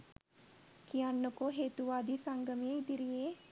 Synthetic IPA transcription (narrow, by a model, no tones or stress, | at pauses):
kijanːokoɦeːt̪uʋaːd̪isaŋɡəmeid̪iɾije